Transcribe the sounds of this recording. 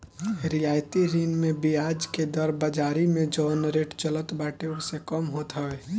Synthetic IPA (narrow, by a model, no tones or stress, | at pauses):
ɾijaːjt̪iɾinmebiad͡ʒked̪əɾbəd͡ʒaːɾimẽd͡ʒɔːnɾeʈt͡ʃələt̪baʈeʊsekəmɦot̪ɦəɛ